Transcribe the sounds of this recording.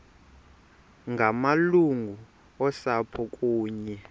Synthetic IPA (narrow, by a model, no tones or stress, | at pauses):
ŋɡʱamaluŋɡʱu | ɔsapʰɔkʼuːɲɛ